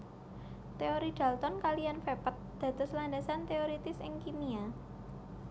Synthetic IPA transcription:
t̪eoɾid̪̥a̤lt̪ɔnkalijanfepət̪̚d̪̥ä̤d̪ʊslandasant̪eoɾit̪ɪsɪŋkimia

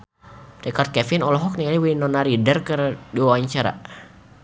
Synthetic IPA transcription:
dɛkart̪̚kɛfinɔlɔɦɔk̚nialiwinɔnaɾidərkɨrdiwawaɲt͡ʃaɾa̰

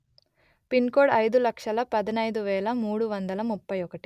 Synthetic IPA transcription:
pinkoːɽɐjd̪ulɐkʂɐlɐpɐd̪ɐnɐjd̪uʋɛːlɐmuːɽuʋɐnd̪ɐlɐmupːɐjɔkɐʈi̥

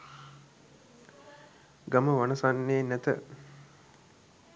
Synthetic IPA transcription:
ɡaməʋanəsanːeːnæt̪ə̰

